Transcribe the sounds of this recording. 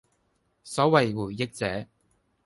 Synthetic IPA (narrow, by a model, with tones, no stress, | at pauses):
sɔː˨˥wɐ˨jwuː˨˩ɪ˥k̚t͡sɛː˨˥